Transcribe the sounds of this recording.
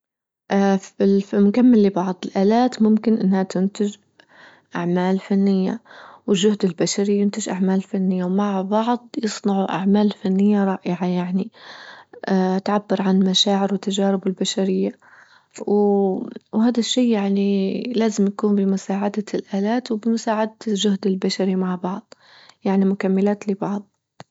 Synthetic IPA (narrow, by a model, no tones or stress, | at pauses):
ʔafɪlfmʊkamːalːibɑʕðˤɨlʔaːlaːt̪mʊmkɪnʔɪnːhat̪ɪnt̪ɪʒ | ʔaʕmaːlfanːɪjːawɪlʒːʊhd̪ɪlbaʃaɾijʊnt̪ɪʒʔaʕmaːllfanːɪjːawmaʕbɑʕðˤjɨsˤnɑʕuʔa̰ʕmaːlfanːɪjːaɾˤɑːʔɪʕajaʕni | ʔat̪ʕabːɪɾʕanmaʃaːʕɪɾwɪt̪ːad͡ʒaːɾɪbɪlbaʃaɾɪjːa | w | wɦaːd̪aʃːiːjaʕnilaːzɪmjakuːnbɪmʊsaːʕad̪alʔaːlaːt̪wbɪmʊsaːʕad̪alʒʊhd̪ɪlbaʃaɾimaʕbɑʕðˤ | jaʕnimʊkamːɪlaːt̪lɪbɑʕðˤ